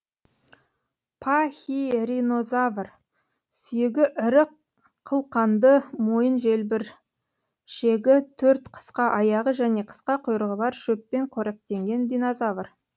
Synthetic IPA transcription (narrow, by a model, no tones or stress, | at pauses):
pʰaxʲiɾino̞zavr | sʏjeɡʲɪʔɪɾəqʰ | əlˠqɑnd̪əmo̞jənʒe̞lbɪɾ | ʃe̞ɡʲɪt̪ʰɵɾt̪qʰə̥sqɑʔɑjɑʁəʒæne̞qʰə̥sqɑqʰʊjɾəʁəbɑɾʃɵpːe̞ɴqʰoɾeq̚t̪e̞ŋɡʲe̞nd̪inozavər